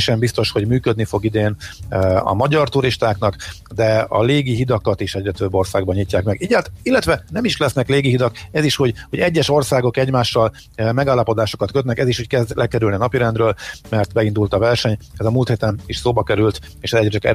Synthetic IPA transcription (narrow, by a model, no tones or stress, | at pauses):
ʃɛmbist̪o̞ʃho̞ɟmyːkød̪nifo̞ɡid̪eːn | ɒ̰mɒɟɒrt̪uɾiʃt̪aːknɒkd̪ɛɒ̰leːɡiɦid̪ɒkɒt̪iʃɛɟrɛt̪øbːo̞rsaːɡ̚bɒɲicːaːkmɛɡiɟɛt̪ilːɛt̪ʋɛnɛmiʃlɛsnɛkleːɡiɦid̪ɒkɛziʃhoɟho̞ɟɛɟːɛʃo̞rsaːɡo̞kɛɟmaːʃːɒl | mɛɡaːlːɒpo̞d̪aːʃo̞kɒt̪køt̪nɛkɛziʃhockɛzd̪lʔɛkɛɾylniɒnɒpiɾɛnd̪ɾøːlmɛrt̪bɛind̪ult̪ɒvɛrʃɛɲɛzɒmuːlt̪heːt̪ɛniʃsoːbɒkɛɾylt̪ | eːʃɛzɛɟɾɛt͡ʃɒkɛ̰